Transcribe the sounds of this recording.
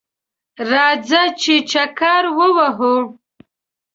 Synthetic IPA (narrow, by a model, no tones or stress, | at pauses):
ɾɑzat͡ʃet͡ʃakɑɾwəwaɦo